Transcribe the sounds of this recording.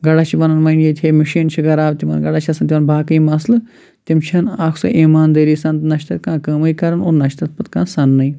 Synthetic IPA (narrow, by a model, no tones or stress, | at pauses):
ɡɐɽaːt͡ʃʰiʋɐnɐnmɐjnjet̪ʰeːmiʃiːnt͡ʃʰiɡɐɾaːʋt̪imɐ̰nɡɐɽaːt͡ʃʰɐsɐnt̪imɐnbʱaːkɐimɐslɨ | t̪imt͡ʃʰɐnaːkʰsɐ̰ʔiːmaːnd̪ɐːɾiːsɐnt̪nɐʃt̪ɐt̪̚kãːkɐmɐikɐɾɐnoːɾnɐʃt̪ɐt̪̚pɐt̪kãːsɐnːɐi